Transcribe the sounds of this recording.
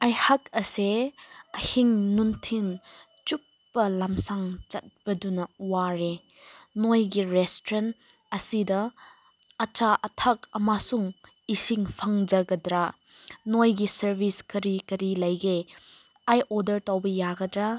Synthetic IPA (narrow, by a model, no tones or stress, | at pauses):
ajhakʰɐseɐhiŋnuntʰin | t͡ʃup̚ːɐlamsaŋt͡ʃɐt̚b̥ɐdunɐwaɾe | nojɡiɾestɾen | ɐsidɐ | ɐt͡ʃaʔɐtʰɐk̚ɐmasuŋ | isiŋpʰaŋd͡ʒɐɡɐdɾa | nojɡisɐɾbiskɐɾikɐɾilɐjɡe | ajʔodɐɾtawbɐjaɡɐdɾa